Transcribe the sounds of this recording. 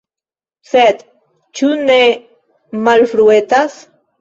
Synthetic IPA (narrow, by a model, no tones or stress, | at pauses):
set̪ | t͡ʃune | malfɾuet̪as